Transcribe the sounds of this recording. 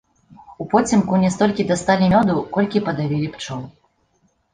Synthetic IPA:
upɔt͡sʲimkunʲɛst̪ɔlʲkʲid̪ast̪alʲimʲɔd̪ukɔlʲkʲipɐd̪avʲilʲipt͡ʂɔw

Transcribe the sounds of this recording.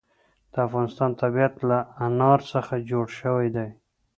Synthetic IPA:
d̪̥əafɣɑnɪst̪ɑnt̪abiat̪laanɑɾsəxad͡ʒoɽʃəwajd̪aj

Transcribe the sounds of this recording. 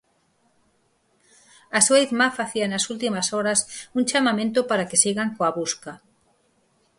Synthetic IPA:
asuiðmafaθianɐsult̪imasɔɾɐsuŋt͡ʃamamẽnt̪opaɾakesiɣaŋkoaβuska

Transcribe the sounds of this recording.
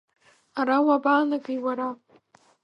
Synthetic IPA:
aɾawabaːnaɡijwaɾa

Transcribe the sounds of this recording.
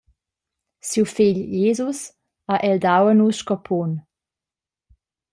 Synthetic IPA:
siwfiʎjeːzus | aʔɛld̪awənusʃkɔpʰɔn

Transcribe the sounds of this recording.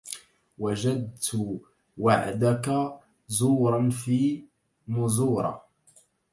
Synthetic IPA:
wad͡ʒad̪̚t̪ʰʊ | waʕ̰d̪aka | zuːɾˤɑnfiː | mʊzuːɾˤɑ̰

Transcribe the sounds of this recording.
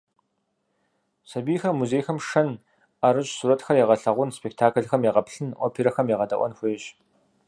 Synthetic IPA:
sɐbiːxɐrmuzeːjxɐmʂɐn | ɐɾɨɕʼsuːɾɐtxɐrjɛʁɐɬɐʁʷʊnspek̚tʰaːkʰɐɮxɐmjeʁɐpɬɨnʔʷɔpʰiːɾɐxɐmjiʁɐdɐ̰ʔʷɔ̰nxʷʊːɕ

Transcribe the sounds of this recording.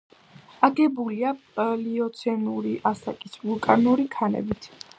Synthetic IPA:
aɡɛbulialiɔt̪sʰɛnuɾiʔasa̰kʼisvulˠkʼanuɾikʰanɛ̰bit̪ʰ

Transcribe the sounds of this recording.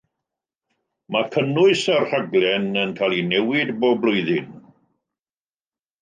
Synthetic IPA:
makʰənʊɨsarr̥aɡlˠɛnənkʰalinɛwɪdboːblˠʊɨðɪn

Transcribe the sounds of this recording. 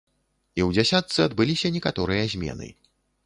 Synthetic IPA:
iwd͡zʲasʲat̪sɨɐd̪bɨlʲisʲɐnʲɛkat̪ɔɾɨjɐzʲmʲɛ̰nɨ̰

